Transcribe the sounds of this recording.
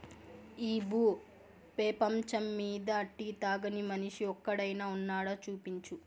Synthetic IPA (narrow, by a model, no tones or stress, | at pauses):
iːbuː | pɛːpɐmt͡ʃɐmːiːd̪ɐːʈːit̪aːɡɐnimɐniʂiɔkːɐɽɐjnaːunːaːɽaːt͡ʃuːpiɲt͡ʃu